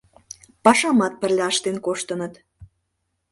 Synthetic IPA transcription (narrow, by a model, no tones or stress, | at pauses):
pɑʃɑmɑt̪̚pə̆rlʲɑɑʃt̪enkoʃt̪ə̆nət̪